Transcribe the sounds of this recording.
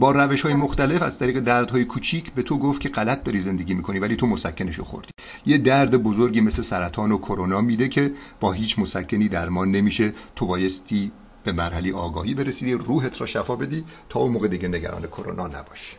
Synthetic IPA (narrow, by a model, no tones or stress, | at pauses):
bɒːɾæveʃhɒːjemoxt̪æle̞fæ̰z̥t̪ʰæɾiːɣe̞d̪æɾd̪hɒːjekʰuːt͡ʃʰiːcʰbe̞t̪ʰo̞ɡoft̪kcʰe̞ɢælæt̪̚ʰd̪ɒːɾiːze̞nd̪e̞ɡiːmiːkʰo̞niːvæliːt̪omosækʰːeneʃo̰xo̰ɾd̪̥iː | jed̪æɾd̪ebozoɾɡʲiːmeslesæɾæt̪ʰɒːnokʰoɾonɒːmiːd̪ecʰe̞b̥ɒːɦiːt͡ʃʰmosæcʰːeniːd̪æɾmɒːne̞miːʃe̞t̪ʰo̞bɒːje̞st̪ʰiː | b̥e̞mæɾhælejɒːɡɒːhiːbe̞ɾesiːd̪iruːɦe̞t̪ʰɾɒːʃæfɒːbe̞d̪iːt̪ʰɒːonmoːɣed̪iɟeneɟæ̰ɾɒ̰ːne̞kʰoɾo̰nɒːnæ̰bɒːʃi̥